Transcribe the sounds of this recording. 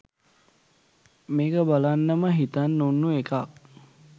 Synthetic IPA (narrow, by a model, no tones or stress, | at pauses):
meːkəbalanːəməɦit̪anːunːuekak̚